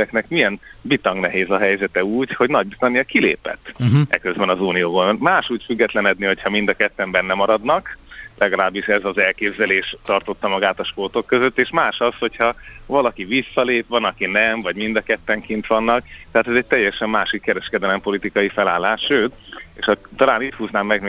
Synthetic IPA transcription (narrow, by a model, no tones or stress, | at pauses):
ɛknɛkmiɛnbit̪ɒŋnɛɦeːzɒɦɛjzɛt̪ɛuːcho̞ɟnɒɟ̚bist̪anijɒkilḛːpɛ̰t̪ːʔɛ̰køzbɛnɒzuːnijoːɡomaːʃuːcfyɡːɛt̪lɛnɛd̪niho̞cʰhɒmind̪ɒkɛt̪ːɛmbɛnːɛmɒɾɒd̪nɒklʔɛɡɒlaːbːiʃɛzɒzɛlkeːbzɛleːʃt̪ɒrt̪o̞t̪ːɒmɒɡaːt̪ɒʃport̪o̞kːøzøt̪ːeːʃmaːʃɒsho̞chɒvɒlɒkivisːɒleːpʋɒnɒkinɛmvɒɟmind̪ɒkɛt̪ːɛŋkint̪ʋɒnːɒk̚t̪ɛat̪ɛzɛc̚t̪ɛjɛʃɛmːaːʃikːɛɾɛʃkɛd̪ɛlɛmpo̞lit̪ikɒjifɛlaːlːaːʃʃøːt̪eːʃɒt̪ːɒlaːniːt̪huːznaːmːɛɡm